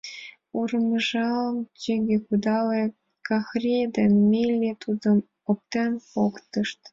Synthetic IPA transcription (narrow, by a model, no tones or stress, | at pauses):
urməʒɑlmt͡ɕiɣʲekud̪ɑle | kɑxrʲed̪emmilʲːet̪ud̪əm | op̚t̪empokt̪əʃt̪